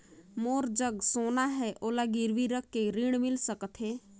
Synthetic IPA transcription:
moːɾd͡ʒəɡsoːnaɦɛʔoːlaɡiɾʋiɾəkːeɾiɽ̃mɪlsəkət̪ʰɦɛ

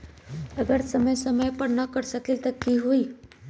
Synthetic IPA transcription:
əɡəɾsəməjsəməjpəɳnəkəɽsəkilt̪əkːiɦoi

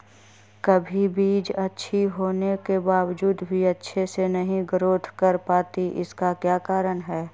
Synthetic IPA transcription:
kəbʱibiːd͡ʒɐtːʃʰiɦoːnekebaːʋd͡ʒuːd̪bʱiɐtːʃʰesenɐɦĩɡəɾoːt̪ʰkəɾpaːt̪iʔɪ̰skakjaːkaːɾənɦɛː

